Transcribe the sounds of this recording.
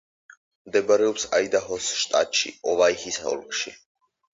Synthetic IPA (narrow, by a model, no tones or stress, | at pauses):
md̪ɛbaɾɛɔpsajd̪aɦɔsʃt̪ʼa̰t̪ʼʃḭɔvajhisaɔ̰lkʰʼʃḭ